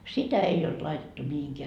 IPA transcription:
sitæ ei olt lɑitetːu mihiŋkeæ

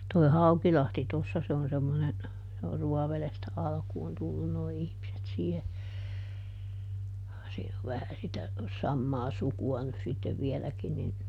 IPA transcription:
toi̯ hɑukilɑhti tosːɑ se on semːonen se or ruɔʋelestæ ɑlkuːn tulːun noi ihmiset siːhe siːn oʋ ʋæhæ sitæ sɑmːɑː sukuɑ nys sitːeʋ ʋielækin nin

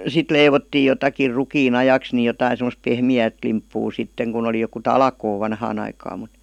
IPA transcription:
sit leiʋotːiː jotɑkir rukiːn ɑjɑks ni jotɑin̞ semə̆s pehmiæːt limpːuː sitːeŋ kun oli joku tɑlkoː ʋɑnhɑːn ɑikɑːm mu̥t

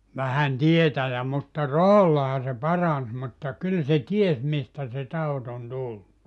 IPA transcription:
ʋæhæn tietæjæ mutːɑ rɑhɑlːɑhɑ se pɑrɑns mutːɑ kyl se ties mistæ se tɑut on tulːu

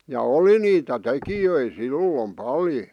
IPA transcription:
jɑ oli niːtæ tekijøi silːom pɑljo

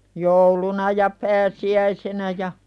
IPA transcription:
joulunɑ jɑ pæːsiæisenæ jɑ

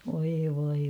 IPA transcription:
ʋoi ʋoi

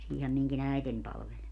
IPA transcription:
siːhæ miŋkin æiten pɑlʋel

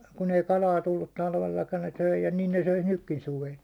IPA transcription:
kun ei kɑlɑː tulːut tɑlʋelːɑkɑn ne søi jɑ nin ne søis nykːin suʋel

